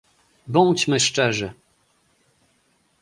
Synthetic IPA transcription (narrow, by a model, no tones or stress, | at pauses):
bɔnt͡ɕmɘʂt͡ʂɛʐɘ